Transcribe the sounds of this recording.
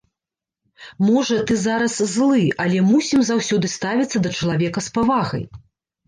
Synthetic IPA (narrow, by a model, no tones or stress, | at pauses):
mɔʐɐt̪ɨzaɾɐszlˠɨʔɐlʲɛmusʲimzawsʲɔd̪ɨst̪avʲit̪sːɐd̪ɐt͡ʂɐlˠavʲɛkɐspavaɣɐ̰j